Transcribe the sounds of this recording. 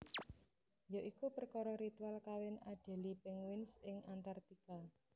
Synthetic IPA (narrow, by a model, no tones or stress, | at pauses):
joʔikupərkɔɾɔɾit̪ualkawɪnaɖ̥ɛ̤lipɪŋwɪnsɪŋʔant̪art̪ika